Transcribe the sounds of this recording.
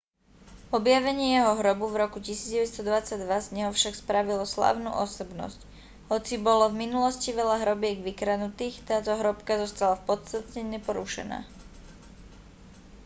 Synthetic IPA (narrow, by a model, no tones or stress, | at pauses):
ɔbjaʋɛɲɪɛjɛɦɔɦɾɔbuvɾɔkucisiːd͡zɟɛʋɛst̪ɔd̪ʋat͡saɟd̪ʋazɲɛɦɔfʃakspɾaʋilɔsla̰ːʊnṵːʔɔsɔbnɔ̰sc | ɦɔt͡sibɔlɔvminulɔsciʋɛʎaɦɾɔbɪɛɡʋikɾanut̪iːxt̪aːt̪ɔɦɾɔpkazɔst̪alafpɔt̪st̪at̪ɲɛɲɛpɔɾṵʃɛ̰na̰ː